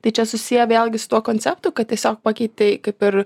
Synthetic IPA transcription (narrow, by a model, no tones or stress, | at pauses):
t̪ɐɪt͡ʃʲɛsʊsʲijɛʋʲeːlˠʲɡʲɪsʊ̥t̪uɔkoːnʲt͡sʲɛp̚t̪uːkɐt̚t̪ʲiɛsʲoːk̚pɑkʲiɪt̪̚ʲt̪ʲɛɪkɐɪpɪɾ